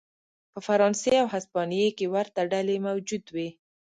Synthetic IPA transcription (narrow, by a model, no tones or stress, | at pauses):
pəfaɾɑnseawɦaspɑnijekewaɾt̪aɖalemawd͡ʒud̪wi